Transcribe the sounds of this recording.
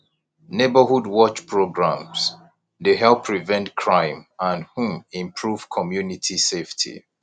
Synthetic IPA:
nebəhudwɔt͡ʃpʰɹoɡɹãms | deɦɛlˠpʰɹivɛ̃ntkʰɹãɪ̃mãnhũmĩmpʰɹuv̥kʰɔmjunitʰiseftʰḭ

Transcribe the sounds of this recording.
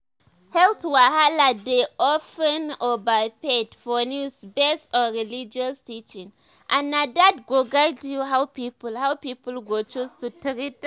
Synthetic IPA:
hɛltwahaladeʔɔfə̃nɔbapedfɔnusbɛsɔɹilid͡ʒɔstit͡ʃĩŋ | ʔãnːadadɡoɡajdtjuɦawpipəlhawpipəl̩ɡot͡ʃustutɾit̚

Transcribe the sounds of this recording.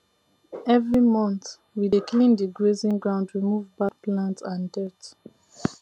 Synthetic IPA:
ɛvɹimɔ̃nθ | wideklĩndiɡɹezĩŋɡɹãʊ̃ndɹimuvbak̚plãntsãndɛt

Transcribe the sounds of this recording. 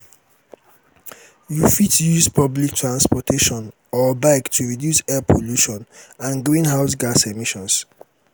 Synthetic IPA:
jufitjuspʰɔblik̚tʰɹãnspɔtʰeʃɔ̃n | ɔbãktʰuɹidjusɛpʰoluʃɔ̃nãnɡɹĩnɦaʊsɡasemiʃɔ̃ns

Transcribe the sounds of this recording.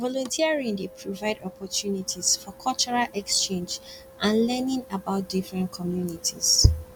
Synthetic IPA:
vɔlɔ̃ntʰiaɹĩŋdipʰɹɔvaɪdɔpʰɔtʰjunitʰisfɔkʰɔlt͡ʃɔɹalʔɛkst͡ʃẽnd͡ʒ | ʔãnlɛnĩŋabaʊt̚difɹɛ̃ntkʰɔmjunitʰiz̥

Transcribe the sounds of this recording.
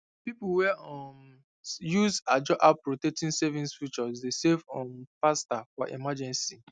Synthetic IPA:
pipuwɛɔm | juzad͡ʒɔʔapɹotɛk̚tĩnsɛvĩnsfit͡ʃɔzdesevɔ̃npastafɔʔḭmad͡ʒɛ̃nsi

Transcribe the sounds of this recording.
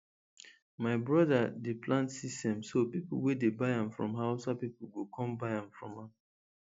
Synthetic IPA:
maɪbɹɔdadeplãntsistɛ̃msopipʊ̰wedebaɪãmfɹɔ̰̃mɦaʊsapipuɡokʰɔ̃mbaɪãmfɹɔ̰̃ma

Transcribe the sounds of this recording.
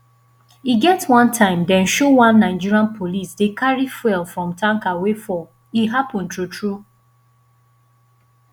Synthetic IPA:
iɡɛtwãntʰãɪ̃mdɛ̃nʃowãnːãɪd͡ʒiɹiãnpʰolisdekʰaɹifwɛlfɹɔ̃mtʰãŋkawefɔ | iɦapɔ̃ntutɹu

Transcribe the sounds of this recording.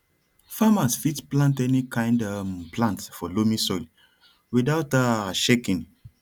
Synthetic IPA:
famasfitplãntɛnikʰãɪ̃ndamplãntfɔlomĩsɔjl | widaʊtaʃekĩn

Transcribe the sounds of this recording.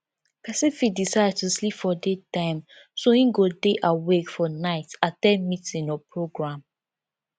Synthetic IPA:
pɛsĩnfidisaɪd̚tuslipfɔdetãɪ̃m | sohĩɡodeʔawekfɔnaɪtatɛmitĩŋɔpɹoɡɹãm

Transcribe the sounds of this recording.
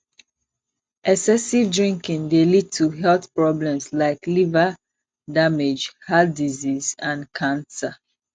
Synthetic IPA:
ʔɛksɛsivdɹĩŋkĩŋdelid̚tʰuɦɛlθpɹɔblɛ̃mslaɪklivə | damed͡ʒhatdizizãnkʰãnsa

